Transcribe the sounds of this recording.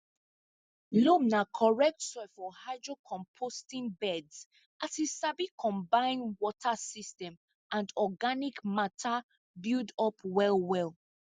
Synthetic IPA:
lomnakʰɔɹɛk̚tsɔfɔhaɪdɹokʰɔ̃mpʰostĩnbɛds | ʔatisabikʰɔ̃mbãɪ̃nwɔtʰasistɛ̃m | ʔãndɔɡanikmatʰa | bildɔpwɛlwɛlˠ

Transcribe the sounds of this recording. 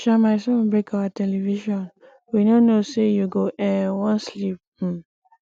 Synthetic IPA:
ʃamaɪsɔ̃nbɹekʰawatʰɛliviʃɔ̃n | winonosejuɡoʔɛ̃nwɔ̃nslip̚m̩

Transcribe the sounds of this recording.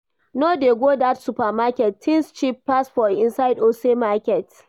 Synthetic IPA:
noːdeːɡʷoːdatsupamakʲɛtːʰɪnst͡ʃipːasfɔɪnsajdosemakʲɛt

